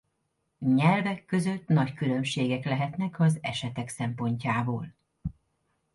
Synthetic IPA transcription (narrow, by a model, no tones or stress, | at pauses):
ɲɛlvɛkːø̞zø̞t̪nɒckylø̞mʃeːɡɛklɛɦɛt̪nɛkɒzɛ̰ʃɛt̪ɛksɛmpo̞ɲcaːboːl